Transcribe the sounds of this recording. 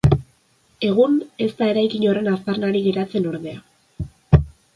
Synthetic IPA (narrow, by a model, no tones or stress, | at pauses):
e̞ɣ̞une̞st̪ae̞ɾajkiɲo̞ɾre̞nast̪arnaɾiɣe̞ɾat͡se̞no̞ɾðe̞a